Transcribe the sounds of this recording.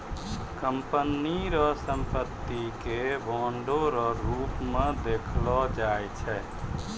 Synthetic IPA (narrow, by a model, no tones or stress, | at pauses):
kəmpəniɾɔsəmpət̪ːikebɔɳɖoɾɔɾupmẽd̪ekʰlɔd͡ʒajt͡ʃʰɛ